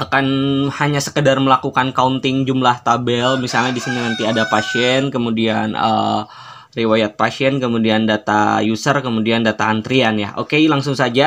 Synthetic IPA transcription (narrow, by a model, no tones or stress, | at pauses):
akanhaɲasə̥kədarməlakukankaunt̪ɪŋd͡ʒumlaht̪abɛlmisalɲadisininant̪iadapasiɛnkəmudianə̰ | riwajat̪̚pasiɛnkəmudiandat̪a̰jusərkəmudiandat̪aːnt̪ɾianja̰ʔo̰kelaŋsʊŋsad͡ʒa